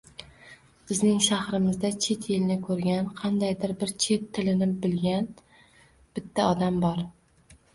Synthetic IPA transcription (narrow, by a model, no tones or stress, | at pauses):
b̥ɪznɪŋʃahɾɪmɪzd̪at͡ʃʰe̞t̪ʰjɪlnɪkʰɵɾɡʲanqʰɑnd̪ajd̪ɪɾbɪɾt͡ʃʰe̞t̪ʰːɪlɪnɪbɪlɡʲan | b̥ɪt̪ʰːaɒd̪ambɒɾ